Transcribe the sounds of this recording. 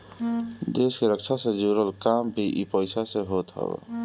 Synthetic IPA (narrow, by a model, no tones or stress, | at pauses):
d̪eːskeɾəkt͡ʃʰasẽd͡ʒuɾəlkaːmbʱiʔipəɪsaseɦoːt̪ɦə̰b̰